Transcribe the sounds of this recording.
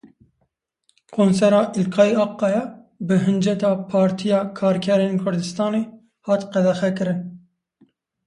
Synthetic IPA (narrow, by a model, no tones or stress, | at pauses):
kʰoːnsɛɾɑːʔɪlkʰɑːiɑːqːɑjɛ | bɨɦɨnd͡ʒɛt̪ɑːpʰɑːɾt̪ʰijɑːkʰɑːɾkʰɛɾeːnkʰʊɾd̪ɨst̪ɑːneː | hɑːt̪qɛd̪ɛxɛkɨɾɨn